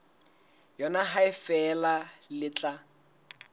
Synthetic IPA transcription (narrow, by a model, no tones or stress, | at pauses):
jɔnaɦaɪfɛlalɪt͡ɬʼa